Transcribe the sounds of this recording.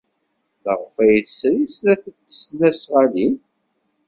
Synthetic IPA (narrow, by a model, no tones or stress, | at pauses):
ləʁfæjθsɾislæθət͡sːə̥snæsʁalin